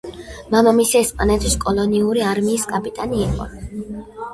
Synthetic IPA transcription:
mamamisiɛspʼanɛt̪ʰiskʼɔlˠɔniuɾiaɾmiːskʼapʼit̪ʼaniːqʼɔ̰

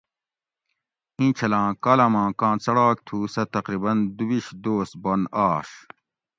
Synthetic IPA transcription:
hĩːt͡ɕʰɐlãːkaːlamãːkãːt͡sɐɽaːk̚t̪ʰuːsɐt̪ɐqɾibɐnd̪ubiɕd̪oːs̚bonaːʂ

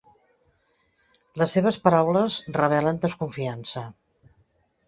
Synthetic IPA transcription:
ləsːeβ̞əspəɾawləzrəβ̞ɛlənd̪əskuɱfiansə

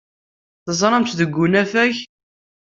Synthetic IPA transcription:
θəzˤɾˤɑmt̪ðəɡʷːunæfæç

